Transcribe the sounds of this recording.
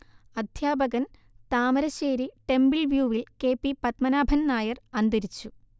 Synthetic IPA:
ɐd̪ʱjaːbɐɣɐn | t̪aːmɐɾɐɕeːɾiʈe̞mbilʋjuːʋilke̞ːpːipɐt̪mɐnaːbʱɐnnaːjɐrɐnd̪ɐɾit͡ɕːu

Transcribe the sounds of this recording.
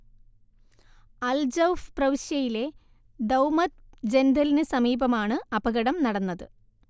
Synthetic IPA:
ɐld͡ʑɐwfprɐʋiɕjɐjile̞ | d̪ɐwmɐt̪̚d͡ʑend̪ʱɐlinɨsɐmiːbɐmaːɳɨɐbɐɣɐɽɐmnɐɽɐnːɐðɨ

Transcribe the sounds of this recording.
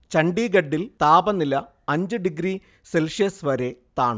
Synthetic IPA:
t͡ɕɐɳɖiːɡɐɖːilt̪aːbɐnilɐ | ɐɲd͡ʑɨɖiɡɾiː | selʂɐsʋɐɾet̪aːɳɨ

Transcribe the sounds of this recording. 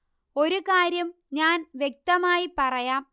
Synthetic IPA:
o̞ɾukaːɾjɐm | ɲaːnʋjek̚t̪ɐmaːjipɐrɐjaːm

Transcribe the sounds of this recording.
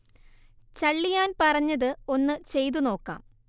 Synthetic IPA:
t͡ɕɐɭːijaːnpɐrɐɲːɐðɨo̞nːɨt͡ɕe̞jt̪̬uno̞ːkːa̰ːm

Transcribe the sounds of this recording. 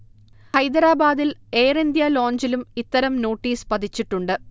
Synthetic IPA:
hɐjd̪ɐɾaːbaːd̪ileːrind̪jɐlo̞ːɲd͡ʑilumit̪ːɐɾɐmno̞ːʈːiːspɐd̪ʱit͡ɕːiʈːuɳɖɨ

